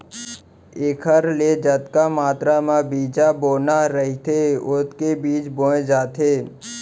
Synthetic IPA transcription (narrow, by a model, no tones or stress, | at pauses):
eːkʰəɾleːd͡ʒət̪kamaːt̪ɾamãbiːd͡ʒaboːnaɾəɦit̪ʰeʊt̪kebiːt͡ʃbõːẽd͡ʒaːt̪ʰeː